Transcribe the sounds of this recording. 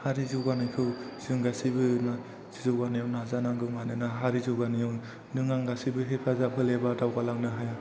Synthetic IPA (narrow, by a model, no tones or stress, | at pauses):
haɾizuɡanɯkʰɯwz̥ɯŋɡasibɯna | z̥izɔɡanijɔwnazanaŋɡɯmanɯnaɦaɾizuwɡanijɔ | nɯŋaŋɡasibɯɦepʰazapʰɯlebadawɡalaŋnɯɦaja